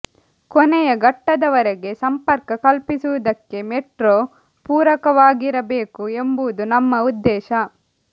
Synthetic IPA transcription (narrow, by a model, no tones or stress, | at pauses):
kɔnɛjɐɡɐʈːɐd̪ɐʋɐɾɛɡe̞sɐmpɐɾkɐkɐlpisuʋud̪ɐkːe̞meʈɾoː | puːɾɐkɐʋaːɡiɾɐbeːkuembuud̪unɐmːɐud̪ːɛːʃɐ